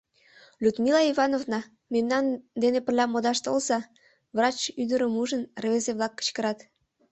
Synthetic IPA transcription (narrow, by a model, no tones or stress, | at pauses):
lʲud̪milɑiβɑnovnɑ | memnɑnd̪enepərlʲɑmod̪ɑʃt̪olzɑ | vrɑt͡ɕyd̪əɾəmuʒənrvezeβlɑkːə̥t͡ɕkəɾɑt̪